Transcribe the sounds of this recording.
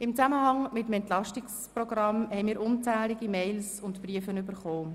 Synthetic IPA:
ɪmt͡saməhɑŋmɪtəmɛntlɑʃtɪksprɔɡ̥rɑmhɛɪmiːɾʔʊnt͡sɛːliɡimɛɪlsʊntpriəfənybəɾχoː

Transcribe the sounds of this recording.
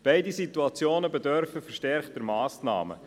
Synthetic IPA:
b̥ɛɪdisit̪uɑt͡sjoːnəbɛd̪œɾfəfɛɾʃtɛrχd̥əɾmɑːsnɑ̰ːmə̰

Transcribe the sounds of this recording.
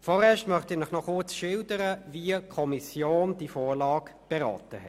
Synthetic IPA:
fɔʁɛːɐʃtmœχtɪnɪχnɔχʊt͡sʃɪldəɾəviəkʰɔmisjoːnd̥ifoːlɑːɡb̥ɛʁɑ̰ːtəhɛ

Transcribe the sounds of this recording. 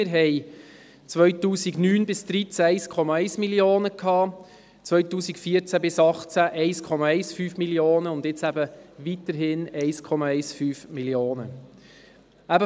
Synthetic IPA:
ɪɾɦɛj | t͡sʋœɥtuːsiɡnyːnbɪsd̪̥ɾit͡sɛɪskʰɔmɑɛɪsmilioːnəkʰɑː | t͡sʋœɥtuːsikfiət͡sæbɪsɑχt͡sæʔɛɪskʰɔmɑɛɪsfyːfmiljoːnəʊndɪt͡sæbəʋit̪əɾɦɪnɛɪskʰɔmɑɛɪsfyːfmiljoːnə | æbə

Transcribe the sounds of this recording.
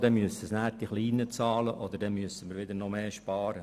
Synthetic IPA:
d̥̪ɛmyəsəsnæːɾ̚d̥iχliːnət͡sɑːləʔɔd̪əɾdɛnmyəsəməɾʋɪd̪əɾnɔmeːʃpɑːɾə

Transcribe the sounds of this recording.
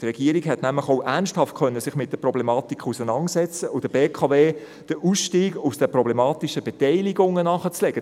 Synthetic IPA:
trɛɡ̥iəɾikɦɛtnæmləχoʊʔænsʃthɑftkʰœnːəsɪχmɪt̚d̥əprɔblɛmɑːt̪ikʰusənɑnsɛt͡səʔʊd̥əbeːkʰɑveː | d̥əʔusʃtiːɡusd̥əprɔblɛmɑːtiʃəbɛtɛɪliɡʊŋːənɑχət͡slɛɡ̥ə

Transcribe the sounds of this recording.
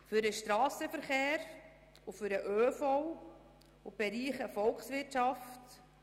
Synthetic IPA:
fʏɾəʃtɾɑːsəfəɾχeːɾ | ufʏɾəʔøːfɔw | ub̥ɛɾiːχəfɔlksʋɪtʃɑft

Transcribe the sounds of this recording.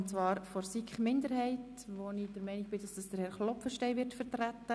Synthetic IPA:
nt͡sʋɑːɾfɔɾsikχmɪndəɾhɛɪt | ʋonid̥əɾmɛɪniɡ̚b̥ɪd̥ɑsd̥ɑsd̥əɾhɛɾχlɔpfəʃtɛɪʋɪɾtfəɾtɾætːə

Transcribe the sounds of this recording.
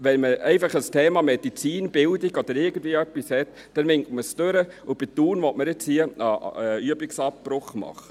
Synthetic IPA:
ʋɛnməɛɪfɑχəstʰeːmɑmɛd̥it͡siːnb̥ɪldiɡɔd̥̪əɾɪɡən̩d̥viəœpːishɛt | d̥ɛnʋɪŋktməstøɾəʊb̥ɪt̪uːnʋɔtməɾɪt͡shiəɑ̰yəbɪksɑpːɾʊχmɑ̰χə

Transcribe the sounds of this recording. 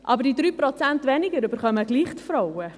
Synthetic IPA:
ʔɑbəɾdid̪ɾyːpɾot͡sæntʋɛnɪɡəɾʏbəɾχœməɡliːχtfɾɔwə

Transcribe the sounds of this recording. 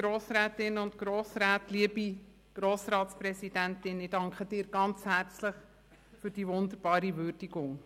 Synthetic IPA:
ɡ̥ɾoːsɾæːtɪnʊntɡ̥ɾoːsɾæːtliəbi | ɡ̥ɾoːsɾɑːtsprɛsid̥æntɪnɪd̥ɑŋkʰəd̥ɪːɾɡ̥ɑnt͡shæɾt͡sləχ | fyɾd̥iːʋʊnd̪əɾb̥ɑːɾiʋʏɾd̥iɡʊŋ

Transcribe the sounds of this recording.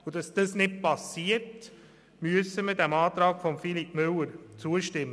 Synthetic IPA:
ʊd̥ɑsd̥əsnɪt̚pɑsiəɾt | myəsəmədæmɑːt̪ɾɑːkfɔmfilipmʏlːəɾt͡suəʃtɪmːə

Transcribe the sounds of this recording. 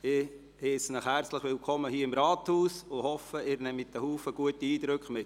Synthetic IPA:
ɪ | hɛːsənəχhæɾt͡sləχʋɪlkʰɔmːəɦiːəɪmɾɑːt̪huːsʊhɔfəɪːɾnɛmɪt̪əhuːfəɡ̥uətiiːd̪ɾʏkχmɪtː

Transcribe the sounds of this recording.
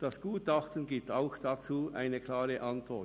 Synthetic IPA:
d̥ɑsɡ̥uːtɑχtən̩ɡiːp̚taʊxd̥at͡suːʔa̰ɪnəkʰlaːʁəʔɑntʋɔ

